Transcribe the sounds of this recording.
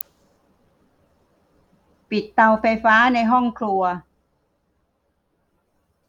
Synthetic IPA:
pi˨˩t̪ːa˧wfa˧jfaː˦˥na˧jɦɔ˥˩ŋkʰlu˧ɐ

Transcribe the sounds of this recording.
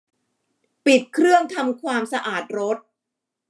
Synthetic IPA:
pi˨˩t̪̚kʰɾɯ˥˩əŋt̪ʰa˧mkʰwaː˧msa˧ʔaː˨˩t̪̚ɾo˦˥t̪̚

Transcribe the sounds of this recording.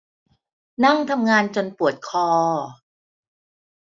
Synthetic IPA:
na˥˩ŋt̪ʰa˧mŋaː˧nt͡ɕo˧npu˨˩ət̪̚kʰɔː˧

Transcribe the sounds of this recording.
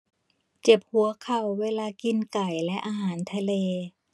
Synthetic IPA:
t͡ɕe˨˩p̚hu˨˩˦ɐ˦kʰa˨˩wːeː˧laː˧ki˧nka˨˩jlɛ˦˥ʔaː˧ɦaː˩˦nt̪ʰa˧leː˧

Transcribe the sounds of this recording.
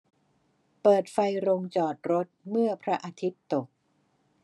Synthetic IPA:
pɤː˨˩t̪̚fa˧jɾo˧ŋt͡ɕɔː˨˩t̪̚ɾo˦˥t̪̚mɯ˥˩ɐpʰɾa˦˥ʔaː˧t̪ʰi˦˥t̪ːo˨˩k̚

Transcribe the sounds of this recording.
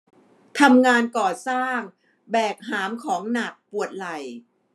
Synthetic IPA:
t̪ʰa˧mŋaː˧nkɔː˨˩saː˥˩ŋ | bɛː˨˩k̚ɦaː˩˦mkʰɔː˩˦ŋna˨˩k̚pu˨˩ət̪̚la˨˩j

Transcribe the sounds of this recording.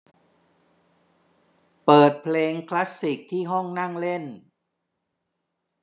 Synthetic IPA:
pɤː˨˩t̪̚pʰleː˧ŋkʰla˦˥sːi˨˩k̚t̪ʰiː˥˩ɦɔ˥˩ŋna˥˩ŋle˥˩n

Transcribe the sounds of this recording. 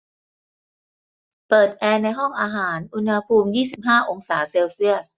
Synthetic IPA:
pɤː˨˩t̪̚ʔɛː˧na˧jɦɔ˥˩ŋʔaː˧ɦaː˩˦nʔu˧nha˧pʰuː˧mjiː˥˩si˨˩p̚ɦaː˥˩ʔo˧ŋsaː˩˦seː˧wsi˥˩əs

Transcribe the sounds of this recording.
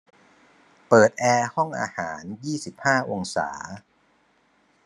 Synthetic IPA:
pɤː˨˩t̪̚ʔɛː˧hɔ˥˩ŋʔa̰ː˧haː˩˦njiː˥˩si˨˩p̚haː˥˩ʔo˧ŋsa̰ː˩˦

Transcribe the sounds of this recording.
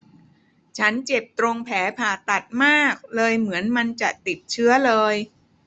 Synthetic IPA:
t͡ɕʰa˦˥nt͡ɕe˨˩p̚t̪ɾo˧ŋpʰɛː˩˦pʰaː˨˩t̪a˨˩t̪̚maː˥˩k̚lɤː˧jmɯ˩˦ənma˧nt͡ɕa˨˩t̪i˨˩t̪̚t͡ɕʰɯ˦˥ɐlɤː˧j

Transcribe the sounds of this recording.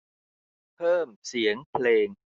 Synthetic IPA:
pʰɤː˥˩msi˩˦əŋpʰleː˧ŋ

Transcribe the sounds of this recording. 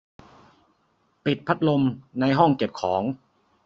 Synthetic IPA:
pi˨˩t̪̚pʰa˦˥t̪̚lo˧mna˧jɦɔ˥˩ŋke˨˩p̚kʰɔː˩˦ŋ

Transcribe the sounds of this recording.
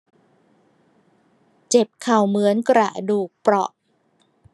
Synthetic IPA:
t͡ɕe˨˩p̚kʰa˨˩wmɯ˩˦ənkɾa̰˨˩ʔduː˨˩k̚pɾɔ˨˩ʔ

